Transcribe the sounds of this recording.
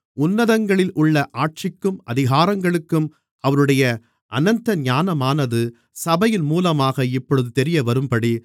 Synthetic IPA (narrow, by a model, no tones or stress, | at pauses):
ʊnːɐðɐŋɡɐɭɪlʊɭːɐʔaːʈ̚t͡ʃɪkːɯmɐðɪɣaːɾɐŋɡɐɭɯkːɯm | ɐʋɐɾɯɽɐjɐ | ʔɐ̰nɐnt̪ɐɲaːnɐmaːnɐðɯ | sɐbɐjɪlmuːlɐmaːɣɐɪpːɔɻɯðɯt̪ɛɾɪjɐʋɐɾɯmpɐɽi